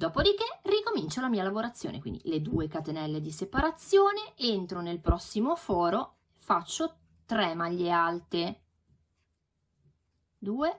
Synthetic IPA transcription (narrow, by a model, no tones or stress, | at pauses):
d̪ɔːpod̪ikerikomint͡ʃolamiːalavoɾat̪sːjo̰ːnḛkwḭnd̪ḭled̪ṵːekat̪enɛlːed̪isepaɾat̪sːjoːneent̪ɾonelpɾɔsːimofɔːɾo | efat͡ʃːo | t̪ɾɛmaʎːealt̪e | d̪uːe